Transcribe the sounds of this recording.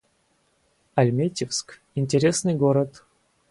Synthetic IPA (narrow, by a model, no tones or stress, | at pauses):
ɐlʲmʲetʲɪfsk | inʲtʲɪɾʲesnɨjɡoɾət̪